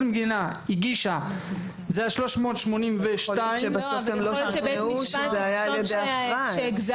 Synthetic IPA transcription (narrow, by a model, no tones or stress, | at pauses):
mɡinaiɡiʃa | zejaʃlo̞ʃmo̞ːt̪ʃmonimveʃtaiebasofemlobuʃzeajaːljed̪eaaʃɡz